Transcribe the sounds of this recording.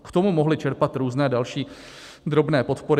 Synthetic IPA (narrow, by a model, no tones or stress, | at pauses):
kt̪o̞mumoɦlɪt͡ʃɛɾpat̪ɾuːznɛːdalʃiː | d̪ɾo̞bnɛːpo̞t̪po̞ɾɪ